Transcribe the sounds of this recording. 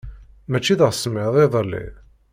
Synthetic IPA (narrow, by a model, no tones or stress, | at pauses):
mæt͡ʃːiðəʁsmɪðˤeðˤəlːḭ